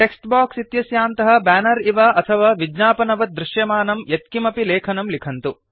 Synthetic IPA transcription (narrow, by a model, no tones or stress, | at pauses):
ʈeksʈbaːksit̪jɐsjaːnt̪ɐɦɐ̆bæːnɐɾiʋaʔɐt̪ʰɐʋaːʋid͡ʒnaːpɐnɐʋɐd̪ɾɪʃjɐmaːnɐmjet̪̚kimɐpilɛːkʰɐnɐmlikʰɐnt̪u